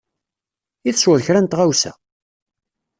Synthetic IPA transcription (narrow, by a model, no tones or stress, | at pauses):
iθəswəðçɾænt̪ʁawsæ̰